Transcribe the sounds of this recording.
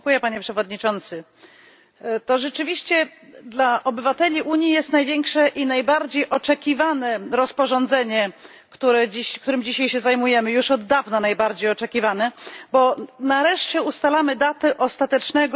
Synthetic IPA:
kujɛpaɲɛpʂɛvɔd̪ɲit͡ʂɔnt̪sɘ | t̪ɔʐɛt͡ʂɘvʲiɕt͡ɕɛd̪laʔɔbɘvat̪ɛlʲiʔuɲjijɛst̪najvʲjɛŋkʂɛʔinajbaɾd͡ʑejʔɔt͡ʂɛkʲivanɛɾɔspɔʐɔnd̪zɛɲɛ | kt̪uɾɛd͡ʑiɕkt̪uɾɘmd͡ʑiɕajɕɛzajmujɛmɘjuʂɔd̪ːavnanajbaɾd͡ʑejɔt͡ʂɛkʲivanɛbɔnaɾɛʂt͡ɕɛust̪alamɘd̪at̪ɛʔɔst̪at̪ɛt͡ʂnɛɡ

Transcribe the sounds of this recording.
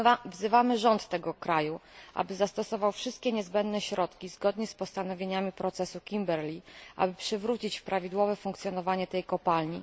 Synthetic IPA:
vzɘvamɘʐɔnt̪ːɛɡɔkɾajuʔa̰bɘzast̪ɔsɔvawfʂɘst̪̚kʲɛɲɛzbɛnd̪nɛɕɾɔt̪kʲizɡɔd̪ɲɛspɔst̪anɔvʲjeɲamʲipɾɔt̪sɛsukʲimbɛɾlʲiʔa̰bɘpʂɘvɾut͡ɕit͡ɕfpɾavʲid̪wɔvɛfuŋkt̪sjɔnɔvaɲɛt̪ɛjkɔpalɲi

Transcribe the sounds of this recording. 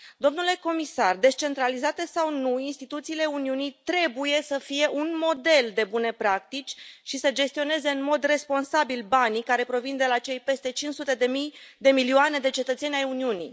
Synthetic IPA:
d̪o̞mnule̞ko̞misard̪e̞st͡ʃe̞nt̪ɾalizat̪e̞sawnuinst̪it̪ut̪siːle̞uniunijt̪ɾe̞buje̞səfije̞ʔunmo̞d̪e̞ld̪e̞bune̞pɾakt̪it͡ʃʲʃisəd͡ʒe̞st̪io̞ne̞ze̞ɨnmo̞d̪re̞spo̞nsabilbanikaɾe̞pɾo̞vind̪e̞lat͡ʃe̞jpe̞st̪e̞t͡ʃinsut̪e̞d̪emijd̪e̞miliuoane̞d̪e̞t͡ʃe̞t̪ət̪se̞nʲajuniunḭj

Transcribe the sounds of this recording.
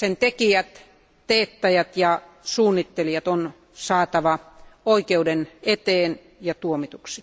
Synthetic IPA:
sent̪ekiæt̪ | teːt̪ːɑjæt̪jɑ | suːnːit̪ːelijɑt̪on | sɑːt̪ɑʋɑoikeudenet̪eːn | jɑt̪uomit̪uksi̥

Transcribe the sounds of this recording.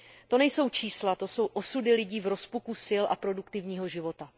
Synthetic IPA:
t̪o̞nɛjso̞wt͡ʃiːslat̪o̞so̞wʔo̞sudɪlɪɟiːvɾo̞spukusɪlʔa̰pɾo̞dukt̪ɪvɲiːɦo̞ʒɪvo̞t̪a

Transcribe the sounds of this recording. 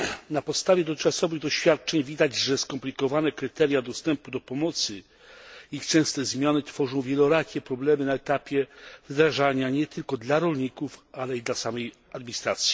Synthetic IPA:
napɔt̪st̪avʲjɛd̪ɔt͡ʂasɔvɘɣd̪ɔɕfʲjat̪̚t͡ʂɛɲvʲid̪ad͡ʑʐɛskɔmplʲikɔvanɛkɾɘt̪ɛɾjad̪ɔst̪ɛmpud̪ɔpɔmɔt̪sɘ | ixt͡ʂɛ̃w̃st̪ɛzmʲjanɘt̪fɔʐɔ̃w̃vʲjɛlɔɾakʲɛpɾɔblɛmɘnaɛt̪apʲjɛvd̪ɾaʐaɲaɲɛt̪ɘlkɔd̪laɾɔlɲikufalɛid̪lasamɛj | ad̪mʲiɲist̪ɾat̪sʲji̥

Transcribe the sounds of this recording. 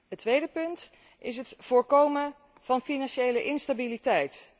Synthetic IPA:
ətʋejdəpɵnt | ʔɪs̬ɦətv̥ʊːɹkowmə | v̥ɑnfinɑnʃejləʔɪnstabilitɛjt

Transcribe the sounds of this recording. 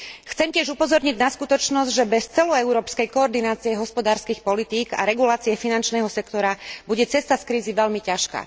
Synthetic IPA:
xt͡sɛmcɪɛʒupɔzɔɾɲiɟnaskut̪ɔt͡ʃnɔzɟʒɛbɛst͡sɛlɔɛʊɾɔːpskɛjkɔːɾd̪inaːt͡siɛɦɔspɔd̪aːɾskiːxpɔlit̪iːɡa̰ɾɛɡulaːt͡siɛfinant͡ʃnɛːɦɔsɛkt̪ɔɾabuɟɛt͡sɛst̪askɾiːziʋɛʎmicaʃka̰

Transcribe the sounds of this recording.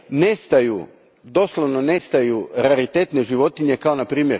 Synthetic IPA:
nest̪aju | d̪o̞slˠoʋno̞ne̞st̪ajuɾaɾit̪e̞t̪ne̞ʒiʋo̞t̪iɲe̞kao̞napɾiːmjeɾ

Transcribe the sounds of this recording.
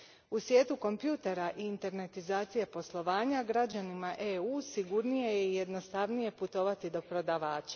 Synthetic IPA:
usʋje̞ːt̪uko̞mpjuːt̪e̞ɾaʔiːnt̪e̞ɾne̞t̪izaːt̪sije̞po̞slˠo̞ʋaːɲaɡɾad͡ʑanimaʔeuːsiɡuɾnije̞jeije̞d̪no̞st̪aʋnije̞put̪o̞ʋat̪id̪o̞pɾo̞d̪aʋaːt͡ɕḁ

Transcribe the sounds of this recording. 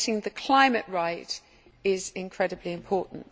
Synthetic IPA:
tɪ̃ŋðəkʰl̥ãɪ̃məʔɹaɪt | ɪzɪ̃nkʰɹ̥ɛdəbliɪ̃mpʰɔˑʔn̩t

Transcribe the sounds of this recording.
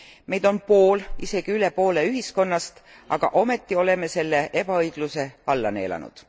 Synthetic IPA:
me̞jd̪̥o̞npo̞ːlise̞ɡ̥iyle̞po̞ːle̞yɦisko̞nːɑst̪ | ɑ̰ɡ̥ɑʔo̞me̞t̪ːio̞le̞me̞se̞lːeʔeb̥ɑɤjɡ̥luse̞ɑlːɑne̞̰ːlɑ̰nṵd̪̥

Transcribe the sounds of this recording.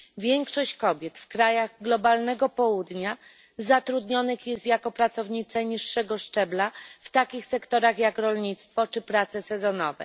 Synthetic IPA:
vʲjɛŋkʂɔɕt͡ɕkɔbʲjɛt̪fkɾajaɣɡlɔbalnɛɡɔpɔwud̪ɲa | zat̪ɾud̪ɲɔnɘxjɛst̪jakɔpɾat̪sɔvɲit̪sɛɲiʂːɛɡɔʂt͡ʂɛblaft̪akʲixsɛkt̪ɔɾaxjakɾɔlɲit̪st̪fɔt͡ʂɘpɾat̪sɛsɛzɔnɔvɛ̰

